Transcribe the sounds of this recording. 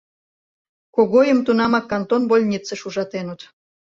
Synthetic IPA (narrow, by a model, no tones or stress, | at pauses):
koɣojəmt̪unɑmɑkːɑnt̪onbolʲnʲit͡seʃuʒɑt̪enut̪